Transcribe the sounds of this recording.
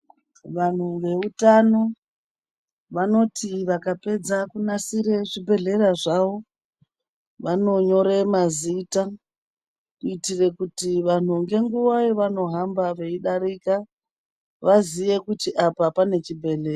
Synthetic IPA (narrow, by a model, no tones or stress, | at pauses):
ʋan̤uŋɡe̞utano̞ | ʋano̞tʰiʋakape̞d͡zakunasiɾe̞ʐibʱe̞ɮe̞ɾaʐaʋo̞ | ʋano̞ɲo̞ɾe̞mazita | uitire̞kutiʋan̤uŋɡe̞ŋɡuʋaeʋano̞ɦambaʋe̞iɗaɾiːka | ʋaziʋe̞kutiʔapapane̞t͡ʃibʱe̞ɮe̞ra